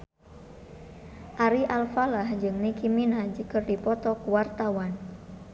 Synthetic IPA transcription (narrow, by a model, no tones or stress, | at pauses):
ʔaɾiʔalfalahd͡ʒɨŋnikiminad͡ʒəkɨrdipɔt̪ɔkuwart̪awan